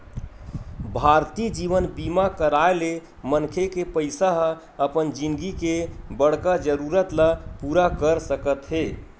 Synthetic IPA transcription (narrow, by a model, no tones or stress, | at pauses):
bʱaɾt̪id͡ʒiʋənbimakəɾaele | mənkʰekepəɪsaɦ | əpənd͡ʒinɡikebəɽ̤kad͡ʒəɾuɾət̪lapuɾakəɾsəkət̪ɦe